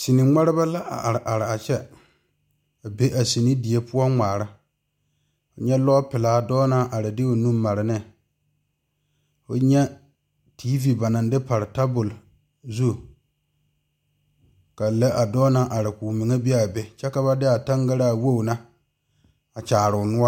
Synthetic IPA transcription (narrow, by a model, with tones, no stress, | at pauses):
si˨ni˨ŋ͡ma˦ɾɪ˦ba˦la˦ʔa̰˨ɾɪ˨ʔa˨ɾɪ˨a˨t͡ʃɛ˦ | a˨be˦ʔa˨si˨ni˦di˨e˦pʊ˦ɔ˦ŋ͡maː˨ɾa˦ | ʊ˨ɲɛ˦lɔː˦pɪ˨laː˨˦dɔː˦na˦ʔa˨ɾɪ˨dɪ˦o˨nũ˦mːa˨ɾɪ˨nɪ˦ | o̰˨ɲɛ˦ | tʰi˦vi˨ba˨na˨ndɪ˦pa˨ɾɪ˨ta˦bʊ˨l | zu˦˨ | ka˨la˦ʔa˨dɔː˦na˦ʔa˨ɾɪ˨ku˨mɪ˨ŋa˦bɪ˦a˨be˨t͡ʃɛ˦ka˦ba˦dɪ˦a˨ta˦ŋɡa˦ɾa˦˨wo˦˨na˦ | a˨t͡ʃaː˨ɾʊ˨ʊ˨nʊ˦a˦